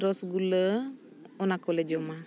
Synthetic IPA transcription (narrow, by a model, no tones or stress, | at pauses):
ɾɔsɡulə | onakoled͡ʒoma